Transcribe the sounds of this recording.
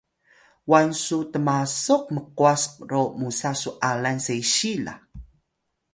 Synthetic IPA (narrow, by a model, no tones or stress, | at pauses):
wansutəmasoq̚məquasɾomusasuʔalansejɕila̰